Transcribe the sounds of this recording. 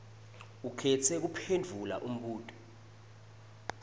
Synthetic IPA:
ukʰɛtʰɛk̬upʰend͡vʱula̰ʔum̩ɓuːtʼɔ̥

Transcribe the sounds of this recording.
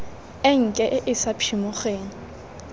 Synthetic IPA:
ɪŋ̩kʼɛʔɪʔɪsapʰimʊχeːŋ̩

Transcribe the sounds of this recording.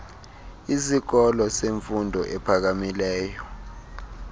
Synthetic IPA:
isik̬ɔlɔseɱfundʱɔʔɛpʰak̬amilɛːjɔ

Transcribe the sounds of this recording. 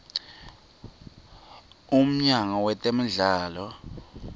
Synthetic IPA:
um̩ɲaŋawɛtʼem̩ɮaːlɔ

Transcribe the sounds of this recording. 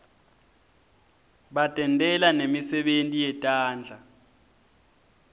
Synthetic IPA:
ɓatʼɛntʼɛlanemisɛɓentʼijɛtʼaːnd͡ɮʱa

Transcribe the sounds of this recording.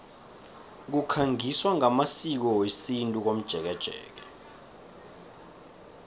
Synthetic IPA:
k̬ukʰaŋiswaŋamasik̬ɔwesintʼuk̬om̩d̥ʒ̥ʱɛk̬ɛd̥ʒ̥ʱɛ̰ːk̬ɛ

